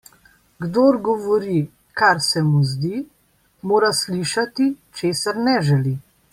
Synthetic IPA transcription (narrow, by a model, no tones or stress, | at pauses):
ɡd̪oːɾɡɔʋɔɾi | kaɾsɛmuzd̪i | moːɾasliʃat̪it͡ʃeːsaɾnɛʒɛli